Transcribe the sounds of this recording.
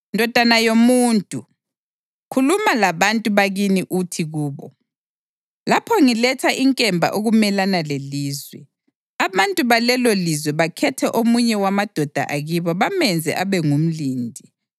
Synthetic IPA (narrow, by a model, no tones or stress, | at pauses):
ndʱɔd̥ʱanajomuːntʼu | kʰulumalaβantʼuβaɣiniʔutʰiɣuːβɔ | lapʰɔŋilɛtʰaʔiŋkʼɛmbʱa̰ʔoɣumɛlanaleliːzwɛ | aβantʼuβalɛlolizwɛβakʰɛtʰɛʔomuɲɛwamad̥ʱɔd̥ʱa̰ʔaɣiβɔβamɛnd͡zʱɛ̰ʔaβɛŋum̩liːndʱi